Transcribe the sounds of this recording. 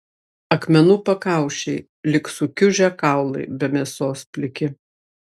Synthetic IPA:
ɐkmʲɛnuːpɐkɑˑʊʃʲɛɪ | lʲɪksʊkʲʊʒʲɛkɑˑʊlˠɐɪbʲɛmʲɛsoːspʲlʲɪkʲɪ

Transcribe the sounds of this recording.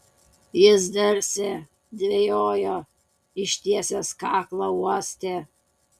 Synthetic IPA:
jɪzd̪ɐɾʲsʲɛ | d̪ʲʋʲejoːjoː | ɪʃʲt̪ʲiɛsʲeːskɑːklˠɐuɔsʲt̪ʲeː

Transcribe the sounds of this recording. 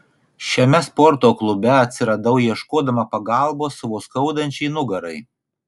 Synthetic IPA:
ʃʲɛmʲɛspɔɾt̪oːklˠʊbʲɛɐt̪ʲsʲɪɾɐd̪ɐʊjiɛʃkoːd̪ɐmɐpɐɡɑˑlˠboːsɐʋoːskɐʊd̪ɐnʲt͡ʃʲɛɪnʊɡɐɾɐɪ

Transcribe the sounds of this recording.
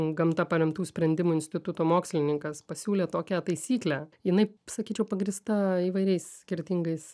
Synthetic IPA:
ɡɐmt̪ɐpɐɾʲɛmt̪uːsʲpʲɾʲɛnʲd̪ʲɪmʊɪnʲsʲt̪ʲɪt̪ʊt̪oːmoːksʲlʲɪnʲɪŋkɐspɐsʲuːlʲeːt̪oːkʲɛt̪ɐɪsʲiːklʲæjɪnɐɪsɐkʲiːt͡ʃʲɛʊpɐɡɾʲist̪ɐiːʋɐɪɾʲɛɪssʲkʲɪɾʲt̪ʲɪŋɡɐɪs

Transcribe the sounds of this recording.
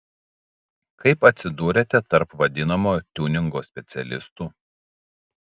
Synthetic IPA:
kɐɪpɐt̪ʲsʲɪd̪uːɾʲet̪ʲɛt̪ɐɾpʋɐd̪ʲɪnɐmoːjt̪ʲuːnʲɪŋɡoːsʲpʲɛt̪sʲɛlʲɪ̰st̪uː

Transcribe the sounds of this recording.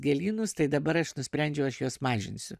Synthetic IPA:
ɡʲɛlʲiːnʊst̪ɐɪd̪ɐbɐɾɐʃnʊsʲpʲɾʲɛnʲd͡ʒʲɛʊɐʃjoːsmɑːʒʲɪ̰nʲsʲʊ

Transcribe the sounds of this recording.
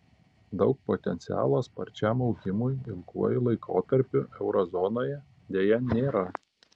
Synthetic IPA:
d̪ɒʊk̚pot̪ʲɛnt̪sʲɪæ̰ːlˠoːspɐɾʲt͡ʃʲæmɒʊɡʲɪmʊjɪlˠkuɔjɪlˠɐɪkʰo̰ːt̪ɐɾʲpʲʊʔɛʊɾɔzɔːnoːjɛ | d̪ʲeːjɛnʲeːɾɐ

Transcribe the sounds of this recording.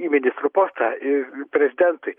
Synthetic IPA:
imʲɪnʲɪst̪ɾuːpoːst̪ɐɪpʲɾʲɛzʲɪd̪ʲɛnt̪ʊɪ

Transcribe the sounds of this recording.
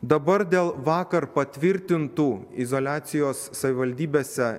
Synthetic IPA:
d̪ɐbɐɾd̪ʲeːlˠʋɑːkɐɾpɐt̪ʲʋʲɪɾʲt̪ʲɪnt̪uːɪzolʲæːt̪sʲɪjoːsːɐʋʲɪʋɐlʲd̪ʲiːbʲeːsʲɛ

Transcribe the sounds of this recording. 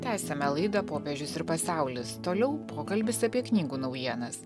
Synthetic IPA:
t̪ʲæːsʲɛmʲɛlˠɐɪd̪ɐpoːpʲɛʒʲʊsɪɾpɐsɑˑʊlʲɪst̪oːlʲɛʊpʰoːkɐlʲbʲɪsɐpʲiɛknʲiːɡuːnɐʊjiɛnɐs

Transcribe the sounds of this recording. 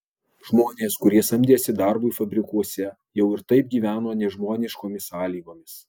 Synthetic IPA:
ʒmoːnʲeːskʊɾʲiɛsɐmʲd̪ʲiɛsʲɪd̪ɑɾbʊɪfɐbʲɾʲɪkuɔsʲɛ | jɛʊɪɾt̪ɐɪp̚ɡʲiːʋʲæːnoːnʲɛʒmoːnʲɪʃkoːmʲɪsɑːlʲiːɡoːmʲɪs

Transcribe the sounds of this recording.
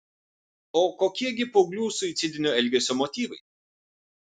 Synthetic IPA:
oːkoːkʲiɛɡʲɪpoʊɡlʲuːsʊɪt̪sʲɪd̪ʲɪnʲoɛlʲɡʲɛsʲomɔt̪ʲiːʋɐɪ

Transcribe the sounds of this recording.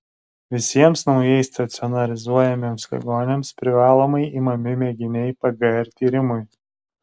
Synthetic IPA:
ʋʲɪsʲiɛmsnɒʊjɛɪst̪ɐt̪sʲɪɔnɐlʲɪzuɔjɛmʲeːmslʲɛ̰ɡoːnʲemspʲɾʲɪʋɑːlˠoːmɐɪiːmɐmʲɪmʲɛɡʲɪnʲɛɪpɐɡɐɛɾʲt̪ʲiːɾʲɪmʊj

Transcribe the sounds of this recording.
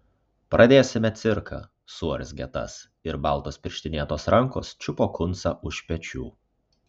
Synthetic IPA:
pɾʔɐd̪ʲeːsʲɪmʲɛt̪sʲɪɾkʰɑ̰ | suɔɾʲɪsɡʲɛt̪ɐ̰s | ɪɾbɑˑlˠt̪oːspʲɪɾʲʃʲt̪ʲɪnʲiɛt̪oːsɾɐŋko̰ːst͡ʃʲʊpoːkʊnsɐʔʊʃpʲɛt͡ʃʲuː

